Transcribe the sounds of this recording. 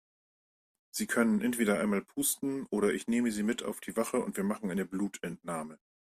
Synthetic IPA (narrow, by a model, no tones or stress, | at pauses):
z̥iːkʰœnənʔɛntv̥eːɾɐʔa̰ɪnmaːlpʰuːstn̩ʔoːɾɐʔɪçneːməziːmɪta̰ʊfd̥iːvaχəʊ̰ntv̥iːɐmaχŋ̩ʔaɪnəbluːtɛntnaːmə